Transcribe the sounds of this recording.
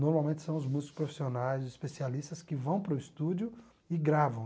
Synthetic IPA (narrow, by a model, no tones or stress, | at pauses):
noɾmawmẽnt͡ʃɪ̥sɐ̃w̃ʊzmuzɪkʊspɾofi̥sionajzispesialist̪ɐskɪvɐ̃w̃pɾʊist̪ud͡ʒjʊ | ɪɡɾavɐ̃w̃